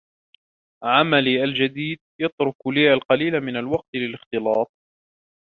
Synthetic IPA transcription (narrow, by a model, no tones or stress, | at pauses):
ʕamaliːʔald͡ʒad̪iːd̪̚jɑt̪ɾʊkliːʔalqɑliːlamɪnalwɑq̚t̪lɪlɪxt̪ɨlɑːt̪̚ˤ